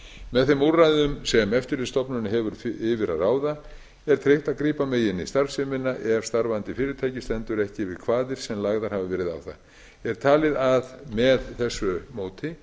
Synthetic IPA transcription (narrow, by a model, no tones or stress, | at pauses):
mɛðθɛmuɾːaðʏmsɛmɛft̪ɪɾlɪst̪ɔpnʏnɪɦɛvʏɾɪvɪɾa̰ðaːwða | ɛɾ̥t̪ʰɾeht̪aðkɾiːpameːjɪnist̪aɾfsɪmɪnːaʔɛɾ̥st̪aɾvant̪ɪfɪːɾɪt̪ʰaːjcɪst̪ɛnt̪ʏɾɛhcɪvɪðkʰvaːðɪɾ̥sɛmlaɣðaɾ̥havɪvɛːɾɪða̰wθa̰ | ɛɾ̥t̪ʰaːlɪðaðmɛðθɛsːʏmoːwt̪ɪ